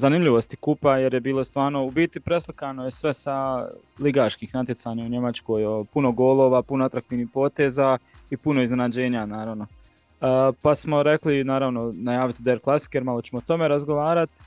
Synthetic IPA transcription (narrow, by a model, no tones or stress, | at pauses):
zanimʎiʋost̪ikupaje̞ɾjebiːlˠost̪ʋaːɾno̞ubit̪ipɾe̞slikanojesʋe̞sa | liɡaːʃkiːxnat̪jesaːɲauɲe̞mat͡ʃko̞ːjopuno̞ɡo̞ːlˠo̞ːʋapunoat̪ɾakt̪iːʋniːhpo̞ːt̪e̞ːza | ipuno̞izne̞nad͡ʑe̞ːɲanaːɾaʋno̞ | pasmo̞ɾe̞klinaːɾaʋno̞najaːʋit̪id̪eɾklˠasi̥kjeɾmalot͡ɕe̞mot̪o̞me̞ɾazɡoʋaːɾat̪